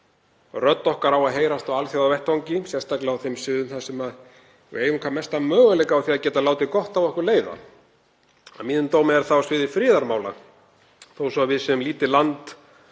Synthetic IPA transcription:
rœt̪nɔhkaɾawaðɦeːjɾast̪ɔwalθjawawvɛht̪awɲcɪsjɛst̪aklɪawθejmsɪðʏmθasɛmað | eːjʏmkʰvamːɛst̪amœːɣalɛkaawθiːaðcɛːt̪alaːwt̪ɪkɔht̪avɔhkʏɾleːjða̰ | amiːnʏmt̪oːwmɪɛɾ̥θaɔsvɪðɪfɾɪːðaɾmaːwla̰ | θowsɔvɪðsɛmliːt̪ɪlant̪

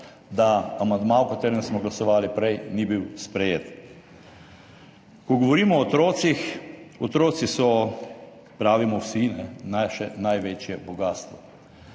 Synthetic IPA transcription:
d̪aamand̪maɔkat̪eːɾɛmsmɔɡlasɔʋaːlipɾɛjnibiwspɾɛjeːt̪ | kɔɡɔʋɔɾiːmɔːt̪ɾoːt̪sixɔt̪ɾoːt̪sisɔ | pɾaːʋimɔwsinɛnaʃɛnajʋeːt͡ʃjɛbɔɡaːst̪ʋɔ

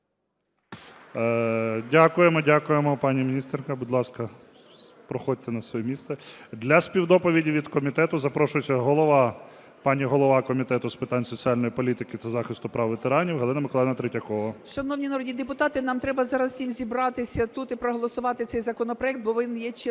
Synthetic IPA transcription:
dʲakʊjemɔdʲakʊjemɔpɑnʲimʲinʲist̪rkɐbʊd̪lˠɑskɐ | pɾɔxɔd̚ʲt̪enɐsʋɔjɛmʲist̪sɛd̪lʲɐspʲiwd̪ɔpɔʋʲidʲiʋʲid̪kɔmʲit̪ɛt̪ʊzɐpɾɔʃʊjɪt͡sʲːɐɦɔlˠɔʋɑ | pɑnʲiɦɔlˠɔʋɑkɔmʲit̪ɛt̪ʊspɪt̪ɑnʲsɔt͡sʲiɑlʲnɔjipɔlʲit̪ɪkɪt̪ɐzɑxɪst̪ʊpɾɑwʋet̪eɾɑnʲiwɦɐd̪ˠɪnɐmɪklˠɛjnɐt̪ɾɪtʲɐkɔʋɐʃɐnɔwnʲinɐɾɔdʲnʲid̪epʊt̪ɑt̪ɪnɑmt̪ɾɛbɐzɑɾɐz̥sʲimzʲibɾɑt̪ɪsʲɐt̪ut̪ɪpɾɔɦɔlˠɔsʊʋɑt̪ɪt̪sɛjzɐkɔnɔpɾɔɛk̚t̪̚bɔʋɪnjɛt͡ʃ

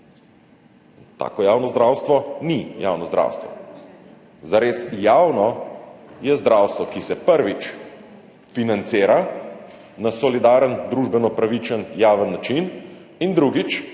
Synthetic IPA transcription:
t̪a̰ːkɔjaːwnɔzd̪ɾaːwst̪ʋɔnija̰ːwnɔzd̪ɾa̰ːwst̪ʋɔ̰ | zaɾeːsjaːwnɔ | jɛzd̪ɾawst̪ʋɔkisɛpəɾʋit͡ʃ | finant̪seːɾa | nasɔlid̪aːɾənd̪ɾuːʒbɛnɔpɾaʋit͡ʃənjaːʋənːat͡ʃin | ind̪ɾuɡit͡ʃ

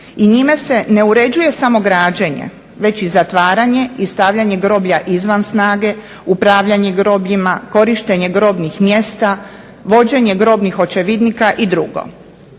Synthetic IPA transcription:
iɲimese̞ne̞uɾe̞d͡ʑuje̞samo̞ɡɾaːd͡ʑeɲḛ | ʋe̞t͡ɕizat̪ʋaːɾaɲe̞ist̪aːʋʎaɲe̞ɡɾo̞ːbʎaʔizʋansnaːɡe̞ | upɾaʋʎaɲeɡɾo̞ːbʎimako̞ɾiʃt̪e̞ɲe̞ɡɾo̞ːbnixmje̞st̪a | ʋo̞d͡ʑe̞ɲe̞ɡɾo̞ːbnixo̞t͡ʃe̞ʋid̪nikaʔid̪ɾuɡo̞̰

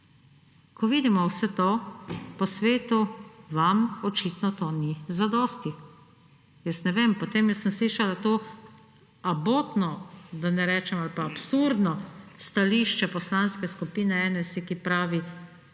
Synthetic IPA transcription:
kɔʋiːd̪imɔwsɛt̪oːpɔsʋeːt̪uʋamɔt͡ʃit̪nɔt̪oːnizad̪ɔst̪i | jəsnɛʋeːmpɔt̪eːmjɛsəmsliːʃalat̪oː | aboːt̪nɔd̪anɛɾɛːt͡ʃɛmalpaːpsuɾd̪nɔst̪aliʃt͡ʃɛpɔslanskɛskupiːnɛɛnɛsikipɾaːʋi

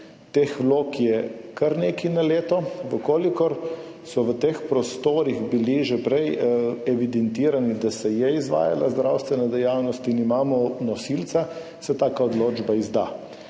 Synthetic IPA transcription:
t̪exʋloːkjɛkaɾneːkinaleːt̪ɔʋəkoːlikɔɾ | sɔʋət̪eːxpɾɔst̪oːɾiɣbiliʒɛpɾɛjɛʋid̪ɛnt̪iːɾanid̪asɛjɛizʋa̰ːja̰lazd̪ɾʔawst̪ʋɛnad̪ɛjawnɔst̪inimaːmɔnɔsilt̪sa | sɛt̪aːkaɔd̪loːd͡ʒbaizd̪a

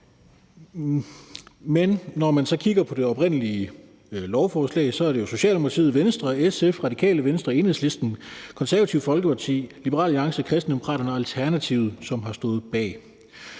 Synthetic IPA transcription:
menːɒmænsɒ̽kʰiɡ̥ɐpʰɒ̽d̥e̝ɒ̽b̥ʁen̰əliə | lɒʊfɒːslɛ̰ɪsɒ̽æɐɾe̝jo̝so̝ɕɛ̰ld̥emo̝kʰɑt͡sʰḭːð̩ˠʋensd̥ʁɐesefʁɑ̈di̥kʰɛ̰ːləʋensd̥ʁɐe̝nheð̩̰ˠsle̝sd̥n̩kʰɒ̽nsæɐʋæt͡sʰiʊfɒ̽lɡ̥əpʰɑ̈t͡sʰḭːlibəʁɑ̰̈ːliɑ̈ŋsəkʰʁɛsd̥n̩d̥emo̝kʰʁɑ̰ːɾɐnəælt͡sʰæɐnæt͡sʰiːʊð̩ˠsɒ̽mɦɑ̈sd̥ɔ̽ːð̞̩ˠb̥ɛ̰ː

